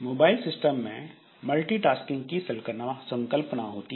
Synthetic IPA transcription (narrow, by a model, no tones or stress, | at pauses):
moːbaːɪlsɪsʈəmːẽ | məlʈiʈaːskɪ̃ŋɡkisəlkənasə̃ŋkəlpnaɦoːt̪i